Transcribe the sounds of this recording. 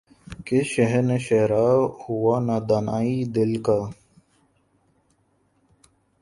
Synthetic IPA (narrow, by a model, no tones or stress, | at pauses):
keʃəɦɾneʃeɦɾaːhuwaːnaːd̪aːnaːid̪ɪlkaː